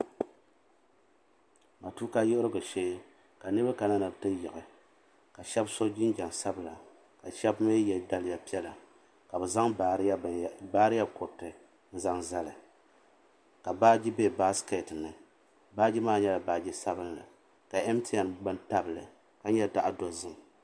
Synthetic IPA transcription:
ma˨tu˦ka˦jo˦ʔʊ˦ɾɨ˦ɡɨ˨ʃeː˦ | ka˨nɨ˦ba˦ka˨na˦nɨ˨btɨ˦jɪ˨ʔɨ˨ | ka˨ʃɛ˦bso˦d͡ʒi˦nd͡ʒa˨ŋsa˦bɨ˨la˨ | ka˨ʃɛ˦bma˦jɛ˨da˦lɪ˨ja˨pi˦ɛ˦la˨ | ka˨bɨ˨za˦ŋ˨˦baː˦ɾɨ˦ja˦kʊ˨tɨ˨ | n̩˦za˦ŋza˦lɨ˨ | ka˨baː˦d͡ʒi˦be˦˨ba˦ske˨tnɨ˨ | baː˦d͡ʒi˦maː˦˨ɲɛ˦la˨baː˦d͡ʒi˦sa˦bɨ˦nlɨ̰˨ | ka˨ɛ˦m˦tʰi˦ja˨mbɨ˦nta˦bɨ˨lɨ̰˨ | ka˦ɲɛ˦da˨ʔa˨do˨zɨ˦ŋ˨

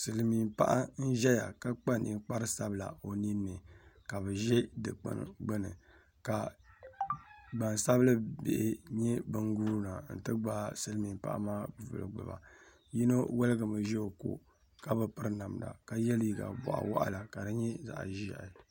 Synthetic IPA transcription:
sɨ˨lɨ˨mi˨mpa˦ʔa˦n̩˦ʒɛ˦ja̰˨ka˦k͡pa˦nʔḭ˨˦k͡pa˦ɾɨ˦sa˦bla̰˨o˨ni˦nːɨ˨ka˨bɨ˨ʒɛ˦dɨ˨k͡pɨ̰˦n˨ɡ͡bɨ˦nɨ̰˨ | ka˨ | ɡ͡ba˨nsa˦blɨ˦bḛ˨ʔɪ˨ɲɛ˦bɨ˦ŋɡuː˦ɾna˨n̩˨tɨ˦ɡ͡ba˦sɨ˦lɨ˦mi˨mpa̰˦ʔa̰˦maː˦˨vɨ̰˨lɨ̰˨ɡ͡bɨ̰˨ba̰˨ | ji˦no˦wɛ˦lɨ˦ɡɨ˨mɨ˨ʒɛ˦o˨ko̰˨ | ka˦bɨ˨pɨ˦ɾna˨mda̰˨ka˨jɛ˦li˨ɡa̰˨bɔ̰˨ʔa̰˨wa̰˦ʔa̰˦la˨ka˨dɨ˦ɲɛ˦za̰˨ʔʒi˦a˨ʔ

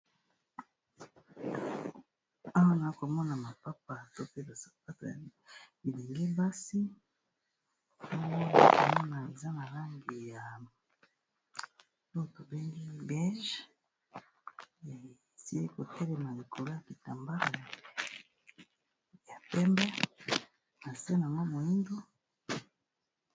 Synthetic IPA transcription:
a˦wa˦na˨i˦ko˨mɔ˦na˨ma˨pa˦p̚a˨to˦pe˦ba˨a˦tbi˨be˨ŋɡi˦ba˦si˦ | o˦jo˦ko˨mɔ˦na˨e˨za˦na˨la˦ŋɡi˨ja˨ | o˦o˨to˨be˦ŋɡi˦bɛ˦ʒ | ja˨si˦i˦ko˨tɛ˦lɛ˨ma˨li˨ko˨lo˦ja˨bi˨ta˨mba˦a˨ | ja˨pɛ˦mbɛ˦ | na˨se˦n˨a˨ŋɡo˦mo˨i˦ndo˦

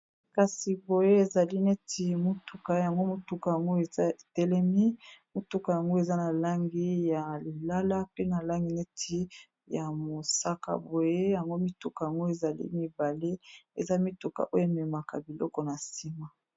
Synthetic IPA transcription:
ka˨si˨bo˨je˦e˨za˨li˦ne˦tʰi˨mo˦tu˨ka˦ja˨ŋɡo˦mo˦tu˦ka˨ja˨ŋɡo˦e˨za˦e˨tɛ˦lɛ˦mi˦mo˨tu˦ka˨ja˨ŋɡo˦e˨za˦na˨la˦ŋɡi˦ja˨li˨la˦la˦pe˦na˨la˦ŋɡi˨ne˦tʰi˦ | ja˨mo˨sa˦ka̰˨bo˨je˦ja˨ŋɡo˦mi˦tu˨ka˨ja˨ŋɡo˦e˨za˨lḭ˦mi˦ba˨le˦e˨za˦mi˦tu˨ka̰˨ʔo˦jo˦˨me˨ma˨ka̰˨bi˨lɔ˦kɔ˦na˨si˦ma˦

